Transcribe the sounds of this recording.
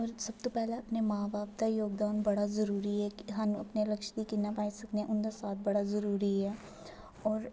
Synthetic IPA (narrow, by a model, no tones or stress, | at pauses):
ɔːɾsɐb̚t̪opɛɦleɐpnemaːbaːp̚t̪ajoːɡd̪aːnbɐɽazɐɾuːɾiɦɛkɦɐnɐpnelɐkʃd̪ikinapaːisɐkneʔʊnd̪asaːt̪̚ʰbɐɽazɐɾuːɾiɦɛː | ɔːɾ